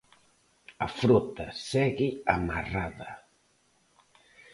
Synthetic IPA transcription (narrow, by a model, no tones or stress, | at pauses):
afɾut̪asɛɣiamaraða